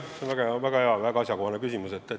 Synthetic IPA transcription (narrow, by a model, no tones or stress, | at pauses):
seonvæɡ̥ɑvæɡ̥ɑheɑvæɡɑɑsʲjɑkohɑnekysimuset̪ːe